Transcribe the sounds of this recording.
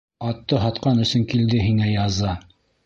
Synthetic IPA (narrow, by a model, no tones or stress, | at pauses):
ɑt̪ːɤɦɑt̪qɑnɵ̆sɵŋkild̪ɘɦiŋæjɑzɑ